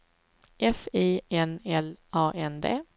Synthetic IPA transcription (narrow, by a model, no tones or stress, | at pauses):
ʔɛfiːɛnɛlɑːʔɛnd̪ḛː